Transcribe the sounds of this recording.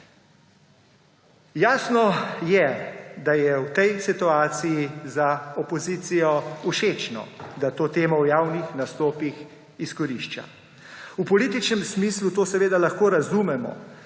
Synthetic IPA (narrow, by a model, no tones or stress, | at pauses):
jaːsnɔjɛd̪ajɛwt̪ɛjsit̪uaːt̪sijizaɔpɔziːt̪sijɔuʃeːt͡ʃnɔ̰d̪at̪oːt̪eːmɔwjaːwnixnast̪oːpix | iskɔɾiʃt͡ʃa̰ | upɔliːt̪it͡ʃnɛmsmiːslut̪oːsɛʋeːd̪alaxkoːɾazumɛmɔ̰